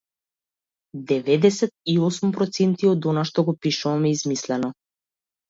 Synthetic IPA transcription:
d̪ɛvɛd̪ɛsɛt̪̚iɔsumpɾɔt̪sɛnt̪iɔd̪ɔnaʃt̪ɔɡɔpiʃuvamɛizmislɛnɔ

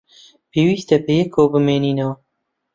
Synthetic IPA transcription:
pʰeːwiːst̪ɐbejɛkʰowbɨmeːniːnɐwɐ

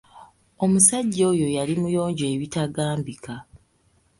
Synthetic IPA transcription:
o̞musaɟːo̞ːjo̞jalimujo̞ːɲɟeːβitaɡaːmbika

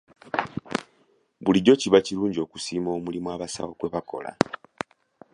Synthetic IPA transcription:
βuliɟo̞ciβaciɾuːɲɟio̞ːku̥siːmo̞ːmulimwaβasa̰wokweβako̞̰la̰

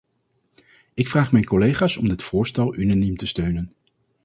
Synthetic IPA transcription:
ɪkfraːχmɛjnkɔlejχaːsɔmdɪtfʊːɹstɛlˠynanimtəstøɥnən

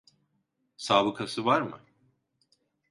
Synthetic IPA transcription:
saːbɯkʰasɯvaɾmɯ̰

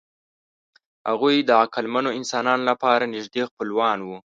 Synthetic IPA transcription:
ha̰ɣujd̪əakalmanoɪnsɑnɑnolapɑɾanɪʒd̪expəlwɑnwu

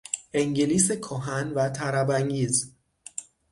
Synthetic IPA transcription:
eŋɟeliːsekʰɔɦænvæt̪ʰæɾæbæŋɟiːz

